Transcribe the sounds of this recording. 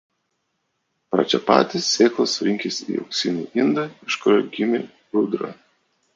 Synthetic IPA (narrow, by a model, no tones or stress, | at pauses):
pɾɐ̰t͡ʃʲɛpɑ̰ːt̪ʲɪsːʲeːklˠosɾʲɪŋʲkʲesḭːɐ̰ʊksʲɪnʲuːʔɪnd̪ɐɪʃkoɾʲoɡʲɪmʲe | ʊd̪ɾɐ̰